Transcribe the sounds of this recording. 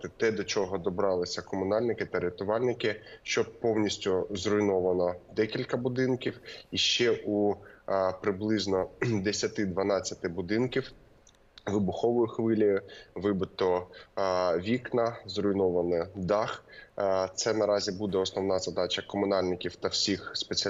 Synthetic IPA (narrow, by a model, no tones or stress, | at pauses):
t̪ɪt̪ɛd̪ɔt͡ʃɔɦɔd̪ɔbɾɑlˠɪsʲɐkɔmʊnɑlʲnɪkɪt̪ɐɾʲet̪ʊʋɑlʲnɪkɪʃt͡ʃɔpɔwnʲisʲtʲʊzrʊjnɔʋɐnɔd̪ɛkʲilʲkɐbʊd̪ɪnkʲiwiʃt͡ʃɛʔu | pɾɪblˠɪznɔd̪esʲɐt̪ɪd̪ʋɐnɑt͡sʲːɐt̪ɪbʊd̪ɪnkʲiw | ʋɪbʊxɔʋɔjʊxʋɪlʲɔjʊʋɪbɪt̪ɔ | ʋʲiknɐzrʊjnɔʋɐnɔd̪ɑx | t̪sɛnɐɾɑzʲibud̪ɛɔsnɔʋn̪ɑzɐd̪ɑt͡ʃɐkɔmʊnɑlʲnɪkʲiwt̪ɐwsʲixspet͡sʲ